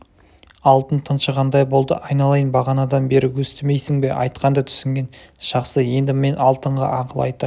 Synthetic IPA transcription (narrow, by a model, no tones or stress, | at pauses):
ɑlˠt̪ənt̪ʰənʃəʁɑnd̪ɑjbo̞lˠd̪ə̰ʔɑjnɑlˠɑjənbɑʁɑnɑd̪ɑnbe̞ɾɪwɵst̪ɪme̞jsɪŋbe̞ʔɑ̰jt̪qɑnd̪ɑt̪ʰʏ̥sɪŋɡʲe̞n | ʒ̥ɑqsəje̞nd̪ɪme̞nɑlˠt̪əɴʁɑ̰ʔɑqəlˠɑ̰jt̪ə